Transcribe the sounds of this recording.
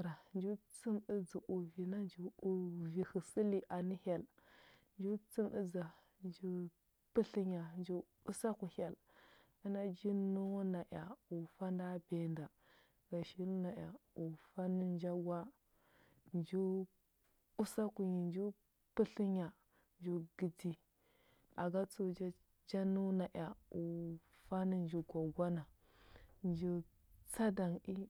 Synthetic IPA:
ɾa˨nd͡ʒu˦t͡si˦mi˦d͡zu˨ʔu˨vi˨na˦nd͡ʒu˨u˨vi˨hə˨si˦li˨ʔa˨ni˦ha˨l | nd͡ʒu˦t͡si˦mi˦d͡za˨ | nd͡ʒu˦ | pə˦ɬi˦ɲa˨nd͡ʒu˦ | u˦sa˦ku˨ha˨l | i˦na˦d͡ʒi˦nu˦wna˨ʔa˨u˨fa˦nda˦be˨nda˨ | ɡa˨ʃi˦lna˨ja̰˨u˨fa˦ni˦nd͡ʒa˦ɡwa˦ | nd͡ʒu˦ | u˦sa˦ku˨ɲi˨nd͡ʒu˦ | pə˦ɬi˦ɲa˨ | nd͡ʒu˦ɡi˦di˦ | a˨ɡa˦t͡su˦d͡ʒa˦ | d͡ʒa˦nu˦na˨ʔja˨u˨ | fa˦ni˦nd͡ʒi˨ɡʷa˨ɡʷa˦na˨ | nd͡ʒu˦ | t͡sa˦da˨ŋi˦

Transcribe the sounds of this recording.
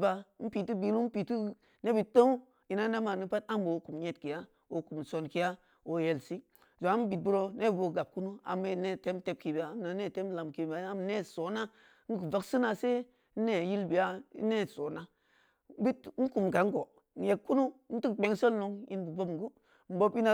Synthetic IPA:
ba˨˦n̩˦pi˨ti˦bi˨˦lu˦m̩˦pi˨tu˦ | ne˦bi˨to˦u˦ | ji˨na˦ne˦ma˨nu˦pa˦ta˦m˦bo˨ku˨mɲe˦tki˨ja˦ | o˨ku˨mso˨nki˦ja˦ | o˨je˨lsi˦ | zo˨a˨˦bi˨t̚bu˦ɾo˦ne˦bbo˨ɡa˨b̚ku˦nu˦a̰˨mːe˦˨ne˦te˦mte˦b̚ki˨bi˨a˨˦m˦na˨ne˦˨te˦mla˨mki˨ba˨a˦m˨ne˦so˨na˦ | n̩˦ku˨va˨ksi˦na˨se˦ | ne˦˨ji˦lbi˨a̰˦ne˦so˨na˦ | bi˦t̩˦ku˨m˨ka˨˦ŋ˦ɡo˨ | n̩˨je˨kkːu˦nu˦n̩˦ti˦kɡ͡be˨ŋso˦lno˨ŋji˦nbu˨vo˦˨ɡu˦ | n̩˨bo˦pi˦na˦

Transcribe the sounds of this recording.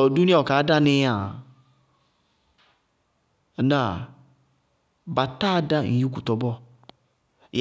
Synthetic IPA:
du˦ni˦ɔ˨ka˨˦da˦nɪ˧˦a˨ | na˦˨ | ba˨ta˦da˦˨ŋ̩˨ju˦ku˨tɔ˨bɔ˦˨ | j

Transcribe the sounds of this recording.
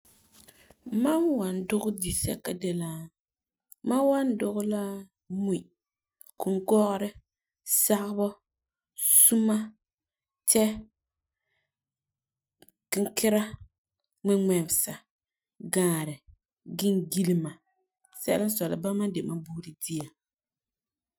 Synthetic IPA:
ma˦nwa˨ndʊ˦ɣʊ˦di˨sɛ̰˦ka˦dɛ˦la˦ | ma˦wa˦n˦dʊ˦ɣʊ˦la˦ | mu˦i˨ | kʊ˨ŋ˦ɡɔ˦ɣɾɪ˦ | sa˦ʔbɔ˦ | su˦ma˦ | t͡ʃɛ˦ | kɪ˦ŋ˦kɪ˦ɾa˦ | mɪ˦ŋɛ˨m˨sa˨ | ɡaː˨ɾɪ˨ | ɡɪ˦ŋɡi˦li˦ma˨ | sɛ̰˦lɪ˦sɔ˨lɪ̰˨ba˦ma˦de˨ma˦bu˦ɾi˨di˦a˨

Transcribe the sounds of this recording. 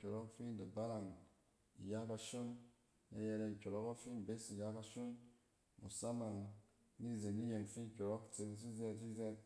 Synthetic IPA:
kʲo˨ɾo˦kfi˦nda˨ba˦la˨ŋ | ḭ˨ja˦ka˧ʃo˦n | na˦je˧ɾe˧n˨kʲo˨ɾo˦ko˦fi˦n˨be˦si˨ja˦ka˧ʃo˦n | mṵ˨sa˦ma˨ŋ | ni˦˨ze˨nni˦je˨ŋfi˦n˨kʲo˨ɾo˦kt͡se˧˦s̬i˦zɛ˦si˦zɛ˦

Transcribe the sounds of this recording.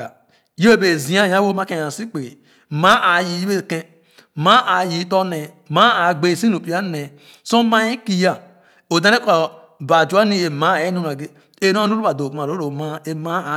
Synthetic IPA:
a˨ | jo˦˨be˨zi˨˦a˦˨ja˦wo˦ma˦ẽ˦˨ã˨si˦k͡pe˨ | ma˦ʔa˨ji˨ji˦be˦˨kẽ˦ | ma˦ʔa˨ji˨˦to˦ne˨ | ma˦a˨ɡ͡be˨si˦no˨pi˦a˦ne˨ | so˦ma˦i˦ki˦ja˦˨ | o˨dã˦ɾe˦ka˨ | ba˨d͡ʒu˨˦a˦ni˦e˨ma˦˨e˦no˦n˨a˨ɡe˦ | e˦no˦u˦ɾo˦a˨do˨u˨ma˨ɾo˦ɾo˨ma˦e˨˦ma˦˨

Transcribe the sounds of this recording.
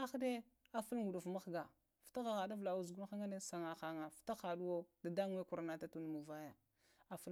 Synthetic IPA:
a˦xde˦ | a˨fu˦lɡu˨ɗu˨fma˦xɡa˨ | fta˦ɣa˨ɣa˨da˦vla˨u˨zɡu˦lxa˦ŋa˦ne˦sa˨ŋa˨xa˨ŋa˨fta˦xa˨du˦wo˦da˨da˦ŋ˦e˦ku˨ɾna˦ta˦tu˦n˨mu˨va˦ja˨ | a˨fu˦

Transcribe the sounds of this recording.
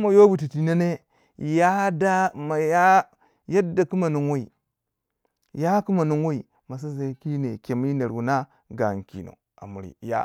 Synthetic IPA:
ma˨jo˦bu˨ti˨ti˨na˦ne˦ | ja˦da˦ma˨ja˦ | ja˦dːa˨ki˦ma˨nu˨ŋwa˦ḭ˨ | ja˦ki˦ma˨nu˦ŋwa˦i˨ | ma˨s̬a˦za˨˦ki˦ne˨ke˨mi˦ne˨ɾu˨na˦ | ɡa˨ŋ˨kḭ˨no̰˨ | a̰˨mu˨ɾḭ˨ja̰˦

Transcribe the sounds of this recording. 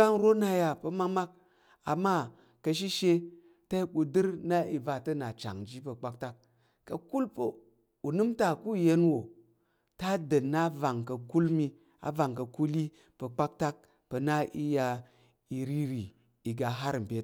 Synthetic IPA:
a˦ŋɾo˦na˧ja˧pə˧ma˦ma˦k̚ | a̰˨ma˦ | kə˧ʃ̬i˦ʃe˧ | ta˦i˦ɓu˧dɨ˦ɾna˦i˨va˧tə˦na˨t͡ʃa̰˨ŋd͡ʒi˦pə˧k͡pa˦k̚ta˦kː | ɐ˨ku˦lpə̰˨ | u˨nɨ˦mta˨ku˦˨je˧nwo˨ | ta˦də˨nːa˦va˨ŋkə˨ku˦lmi˧ | a̰˨va˨ŋkə˨ku˦li˦ | pə˧k͡pa˦k̚ta˦k̚ | pə˧na˦ʔi˦ja˧ | i˧ɾi˦ɾi˨ | i˨ɡa˨ɦa˦ɾm̩˨pe˦t

